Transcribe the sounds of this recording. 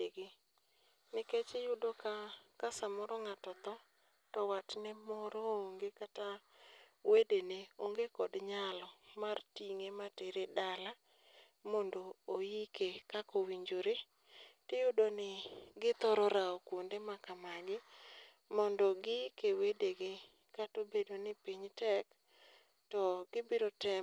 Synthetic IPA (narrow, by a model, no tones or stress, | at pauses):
eɡɪ | nɪket͡ʃɪjʊdɔkakasamɔɾɔŋatɔt̪ɔ | tɔwat͡ʃnɛmɔɾɔoŋɡekata | wedeneoŋɡekɔdɲalɔmartiŋemateɾedala | mɔndoːjikekakowiɲd͡ʒoɾe | tɪjʊdonɪɡɪt̪ɔɾɔɾaɔkwondemakamaɡɪ | mɔndɔɡɪkewedeɡɪ | katobedonɪpiɲtɛk | tɔɡ̥ɪbiɾotɛ